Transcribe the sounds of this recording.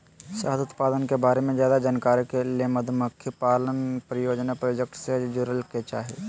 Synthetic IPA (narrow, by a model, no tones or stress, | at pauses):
saːsʊt̪paːd̪ənkebaːɾemẽzjaːd̪ad͡ʒaːnkaːɾikelieməd̪ʱməkʰjəpaːlənpɾɪjoːd͡ʒnapɾojoːd͡ʒek̚ʈsed͡ʒuɾəlket͡ʃaːɦḛː